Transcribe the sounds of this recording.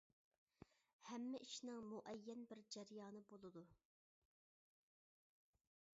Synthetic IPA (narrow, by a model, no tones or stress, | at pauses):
hɛmːɪʔiʃnɪŋmuʔɛjːɛnbɪɾd͡ʒɛɾjɑːnɨbolˠɨd̪u